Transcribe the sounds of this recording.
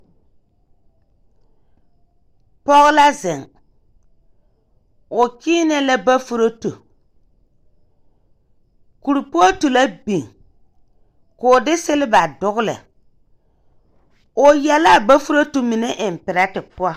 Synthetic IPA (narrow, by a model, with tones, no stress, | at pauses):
pɔ˦ɣɪ˦la˦zɪ˨ŋ | ʊ˨kiː˦nɛ˦la˦ba˦fu˦ɾo˦tu˨ | ku˨ɾu˨pu˦a˦tu˨la˦bi˨ŋ | ko˨dɪ˦se˦lɪ˦ba˨dʊ˦ɣʊ˦lɪ̰˨ | ʊ˨jɛ˨la˦˨ba˦fu˦ɾo˦tu˨mi˨ne˦ʔɪ˨m˨pɪ˨ɾa˦tɪ˨pʊ˦a˦˨